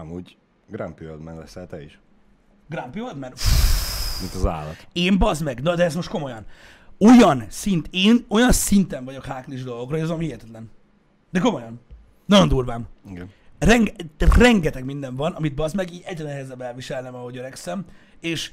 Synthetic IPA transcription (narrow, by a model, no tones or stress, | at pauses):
ɒmuːɟ | ɡɾa̰mpiod̪mɛ̰nlɛ̰sɛlt̪ɛḭʃ | ɡrampiod̪mɛn | mint̪ɒza̰ːlːɒ̰t̪eːmbɒzmɛɡnɒd̪ɛːst̪mo̞ʃt̪ko̞mo̞jɒn | o̞jɒnsint̪eːno̞jɒnsint̪ɛɱvɒɟo̞khaːkliʒd̪o̞lˠɡo̞krɑzomhijɛt̪ɛt̪lɛn | d̪ɛko̞mo̞jɒn | nɒjo̞nd̪uːrvaːmiɡnrɛŋɡrɛŋɡɛt̪ɛɡmind̪ɛɱvɒnɒmid̪̚bɒzmɛɡiɛɟrɛnɛɦɛzɛbɛlviʃɛlnɛmɒɦo̞ɟøɾɛksɛm | eːʃ